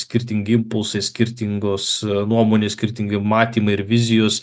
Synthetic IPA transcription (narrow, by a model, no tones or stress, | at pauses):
sʲkʲɪɾʲt̪ʲɪŋʲɡʲɪɪmpʊlˠsɐɪsʲkʲɪɾʲt̪ʲɪŋɡosnuɔmoːnʲeːsʲkʲɪɾʲt̪ʲɪŋʲɡʲɪmɑːt̪ʲiːmɐɪɪɾʋʲɪzʲɪjos